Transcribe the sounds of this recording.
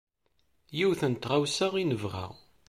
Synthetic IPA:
jiwθənt̪ʁawsaʁinəvʁæ̰ʁ

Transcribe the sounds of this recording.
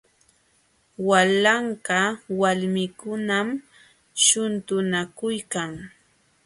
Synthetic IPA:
walaɴkɑwalmɪkʊnam | ʃʊnt̪ʊnakʊjkaŋ

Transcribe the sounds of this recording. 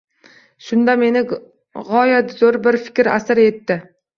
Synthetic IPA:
ʃʊnd̪ame̞nɪ | ʁɒjat̪zoɾbɪɾfɪ̥kʲɾa̰sɪɾe̞t̪ːɪ

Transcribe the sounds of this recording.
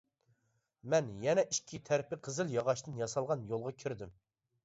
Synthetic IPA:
mɛnjɛnɛʔiʃkʲʰit̪ʰæɾpɪqʰəzɨlˠjɑʁɑʃt̪ɨnjɑsɑlˠʁɑnjolˠʁɑkʲʰiɾd̪ɪm

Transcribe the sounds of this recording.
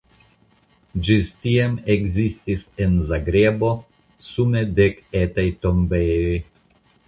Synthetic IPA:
d͡ʒist̪iameɡzist̪isenzaɡɾebo̞ | sumed̪eket̪ajt̪ombej

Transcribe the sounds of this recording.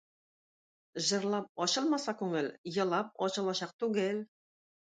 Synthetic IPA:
ʑɤ̆ɾlˠɑp̚ɒɕɤlˠmɑsɑkʉŋɘljɤ̆lˠɑp̚ɒɕɤ̆lˠɑɕɑq̚t̪ʉɡɘl

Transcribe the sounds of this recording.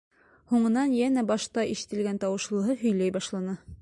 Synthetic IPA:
huɴɤ̆nɑnjænæbɑʃt̪ɑʔiʃɘ̥̆t̪ɘ̆lɡænt̪ɑwɤ̆ʃlˠɤ̆ɦɤɦɵ̆jlæjbɑʃlˠɑnɤ

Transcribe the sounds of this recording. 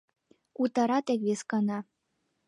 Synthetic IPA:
ut̪ɑɾɑt̪ekβeskɤnɑ

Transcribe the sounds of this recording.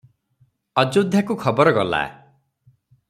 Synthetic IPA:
ɔd͡ʒod̪ʱjakukʰɔbɔɾɔɡɔla̰

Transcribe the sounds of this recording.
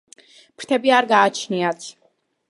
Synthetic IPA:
pʰɾt̪ʰɛbiaɾɡaːt͡ʃʰniat̪sʰ

